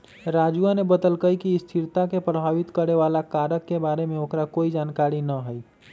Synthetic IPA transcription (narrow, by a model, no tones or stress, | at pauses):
ɾad͡ʒuanebəd̪əlkəjkiːst̪ʰiɾt̪akepɾəbʱaʋit̪kəɾeʋalakaɾəkːebaɾemeokɾakoid͡ʒankaɾinəɦəj